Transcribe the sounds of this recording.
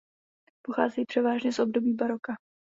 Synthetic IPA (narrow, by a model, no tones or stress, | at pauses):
poxa̰ːzɛjipr̥ɛvaːʒɲɛsʔo̞bdo̞biːbaɾoka